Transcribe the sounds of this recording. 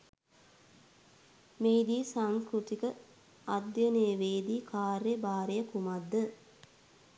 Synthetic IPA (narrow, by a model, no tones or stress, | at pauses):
meːd̪iːsaŋskɾut̪ikə | ad̪jənəjəʋeːd̪iːkʰaːɾjəbaːɾejəkumad̪ːə